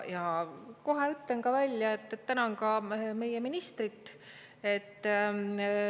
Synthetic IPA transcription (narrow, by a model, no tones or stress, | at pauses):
jɑko̞ɦeyt̪leŋkɑvælʲjɑet̪ːt̪ænɑŋkɑme̞jeminist̪rit̪ːˑ | e̞t̪ː